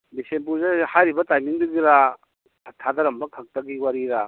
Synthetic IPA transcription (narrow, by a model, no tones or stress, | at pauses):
bisemp̬uɾzehajɾibɐtajmiŋduɡiɾa | tʰad̪ɐɾɐmbɐkʰɐk̚tɐɡiwaɾiɾa